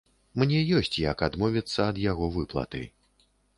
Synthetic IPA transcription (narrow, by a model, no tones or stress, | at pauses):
mnʲɛjɔsʲt͡sʲjɐkad̪mɔvʲit̪sːɐːd̪jaɣɔvɨplˠɐ̰t̪ɨ̰